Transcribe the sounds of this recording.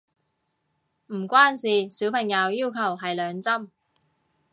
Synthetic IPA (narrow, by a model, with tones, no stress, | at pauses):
m̩˨˩kʷaː˥nsiː˨siː˨˥wpʰɐ˨˩ŋjɐ˨˧wjiː˥wkʰɐ˨˩wɦɐ˨jlœː˨˧ŋt͡sɐ˥m